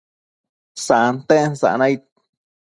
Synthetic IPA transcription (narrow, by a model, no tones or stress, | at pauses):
sant̪ẽnsa̰ʔnãjt̪̚